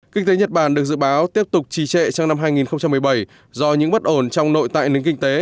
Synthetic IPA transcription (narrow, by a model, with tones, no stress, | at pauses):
kï˧ŋ̟t̪e˨˦ɲə˨˩t̚ɓaː˧˩nɗɨ˨˩ək̚zɨ̰˧˨ɓaː˨˦wt̪i˦˥əp̚t̪ʊ˨˩k͡p̚t͡ɕi˧˩t͡ɕɛ̰˧˨t͡ɕɔ˧wŋ͡mna˧mɦaː˧jŋi˨˩nxə˧wŋ͡mt͡ɕa˧mːɨ˨˩əjɓə˧˩j | zɔ˧ɲɨ̰˧˥ŋɓə˦˥t̚ʔo˧˩nt͡ɕɔ˧wŋ͡mno̰˧˨jt̪a̰ː˧˨jnɨ˨˦ŋkï˧ŋ̟t̪e˨˦